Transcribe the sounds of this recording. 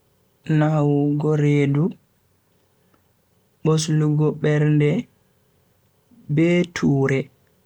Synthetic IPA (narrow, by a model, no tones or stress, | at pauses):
nawɡɔɾeːdu | ɓosluɡɔɓɛɾndɛ | bɛːtʰuːɾɛ